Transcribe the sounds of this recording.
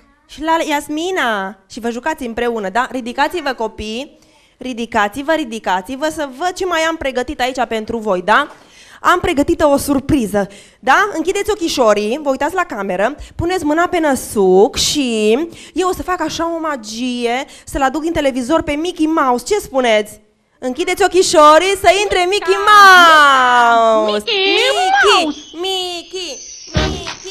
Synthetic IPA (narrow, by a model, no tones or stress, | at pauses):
ʃilajasminaʃivəʒukat̪sʲɨmpɾe̞unəd̪aɾid̪ikat̪sivəko̞pij | ɾid̪ikat̪sivəɾid̪ikat̪sivəsəvəd̪̚t͡ʃe̞majampɾe̞ɡət̪it̪ait͡ʃape̞nt̪ɾuvo̞jd̪a | ampɾe̞ɡət̪it̪əo̞surpɾizə | d̪aɨŋkʲid̪e̞t̪sʲo̞kʲiʃo̞ɾivəujt̪at̪ʲlakame̞ɾəpunet̪sʲmɨnape̞nəsukʃi | je̞wo̞səfakaʃao̞mad͡ʒije̞səlad̪uk̪int̪e̞le̞vizo̞rpe̞mikʲimaust͡ʃe̞spune̞t̪sʲ | ɨŋkʲid̪e̞t̪sʲo̞kʲiʃoɾisəint̪ɾe̞mikʲima | wusmikimikʲi | mi